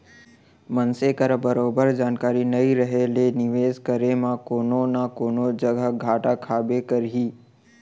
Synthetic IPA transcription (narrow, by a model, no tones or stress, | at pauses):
mɐnsekəɾbɐɾoːbəɾd͡ʒaːnkaːɾinɐiɾɐɦelenɪʋeːzkɐɾemãkoːnonakoːnod͡ʒɐɡʱəɡʱaːʈakʰaːbekɐɾɦiː